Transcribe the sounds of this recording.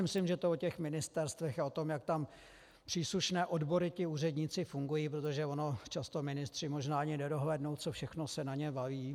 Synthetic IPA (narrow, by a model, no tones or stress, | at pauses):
mɪslɪmʒɛt̪oocɛxmɪnɪst̪ɛɾst̪vɛxao̞t̪o̞mjak̚t̪am | pr̥iːsluʃnɛːʔodbo̞ɾɪt̪ɪuːrɛdɲɪt͡sɪfuŋɡujiːp̬ɾot̪o̞ʒɛvono̞t͡ʃast̪omɪnɪst̪r̝̥ɪmo̞ʒnaːaɲɪnɛdo̞ɦlɛːdno̞wt̪t͡sofʃɛxno̞sɛnaɲɛbaviː